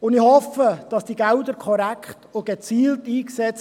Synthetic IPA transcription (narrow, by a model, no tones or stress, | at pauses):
ʊndɪhɔfəd̥ɑsd̥iɡældəɾkʰɔɾækχtoɡ̥et͡siːltiːksɛt͡s